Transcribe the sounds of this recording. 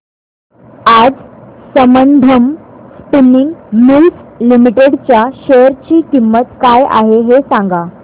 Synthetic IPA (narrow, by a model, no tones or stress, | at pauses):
ad͡zsəmənd̪ʱəmspiniŋɡmilslimiʈeɽt͡ɕjaɕejəɾt͡ɕiːkimːət̪kaja̰ɦeɦesãŋɡa